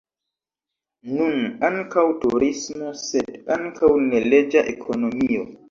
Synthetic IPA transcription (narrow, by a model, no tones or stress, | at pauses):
nunaŋkawtuɾismosedaŋkʰawneled͡ʒaʔḛkʰonomio